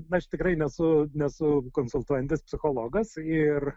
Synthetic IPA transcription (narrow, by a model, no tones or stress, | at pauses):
ɐʃt̪ʲɪkɾɐɪnʲɛsʊnʲɛsʊkoːnsʊlˠt̪uɔjɛnt̪ʲɪspʲsʲɪxoːlˠoːɡɐsɪr